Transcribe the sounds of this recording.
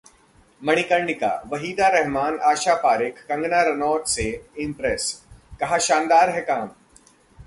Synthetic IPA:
mɐɽ̃ikə̃ɳɖɪka̰ʋɐɦiːd̪aɾɛɦmaːnaːʃapaːɾɪkːɐ̃ŋɡnaɾɐnɔːt̪seɪ̃mpɾɛskɐɦaʃãːnd̪aːɾɦɛkaːm

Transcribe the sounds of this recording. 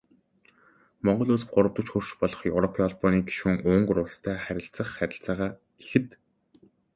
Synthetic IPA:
mɔɴɢɞ̆ɮuːst̚ɢʊɾə̆w̚t̪ə̆t͡ɕxɵr̥ʃpɔɮɞ̆χjewɾɔpʰiɔɮpɔniːɡi̥ʃuːŋʊːŋɢrʊkst̪ʰæːχæɾʲɪ̆ɬt͡sə̆χːæɾʲɪ̆ɬt͡saːʁaː | ixɘ̆t̪

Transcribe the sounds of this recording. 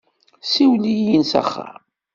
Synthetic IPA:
siwlijinsæ̰χːa̰ɾ

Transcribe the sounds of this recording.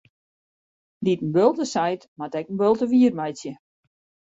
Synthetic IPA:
ditən̩bølˠtəsajtmatɛkən̩bølˠtəʋiːərmajsjə

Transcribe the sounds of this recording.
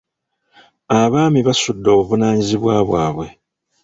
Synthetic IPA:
aβaːmiβasudːo̞ːβuβunaːɲiziβwaːβwaːβwe̞

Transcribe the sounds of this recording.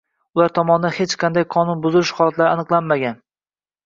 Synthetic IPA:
ʊlaɾt̪ʰɒmɒnɪd̪anhet͡ʃqʰɑnd̪ajqʰɒnʊnbʊzɪlɪʃhɒlˠat̪laɾɪanɨqlˠanmaɡʲan

